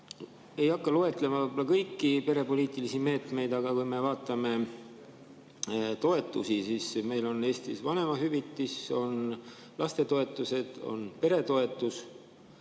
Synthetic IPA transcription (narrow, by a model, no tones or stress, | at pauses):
e̞jɑkːɑloe̞t̪ˑle̞mɑvɑbolɑkɤjkːipe̞ɾe̞po̞liːt̪ːˑilisime̞ːt̪me̞jd̪ɑɡ̥ɑkujme̞vɑːt̪ːˑɑme̞ | t̪o̞e̞t̪ːˑusisisme̞jlo̞ne̞ːst̪isvɑne̞mɑɦyvit̪ːˑiso̞n | lɑst̪e̞t̪o̞e̞t̪ːˑuse̞d̪̥o̞̰npe̞ɾe̞t̪o̞e̞t̪ːˑus